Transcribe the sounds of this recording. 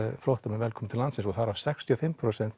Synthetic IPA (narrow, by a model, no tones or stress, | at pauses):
flowht̪amɛvɛlkʰɔmɪt̪ʰɪlansɪnsɔɣθaɾav̥sɛkst̪ʰjiɔfɪmpʰɾosɛnt̪